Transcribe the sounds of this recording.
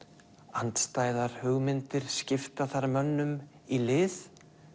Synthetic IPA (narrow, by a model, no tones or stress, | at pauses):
ant̪st̪aːjðaɾ̥hʏɣmɪnt̪ɪɾ̥scɪft̪aθaɾmœnːʏm | ilɪːθ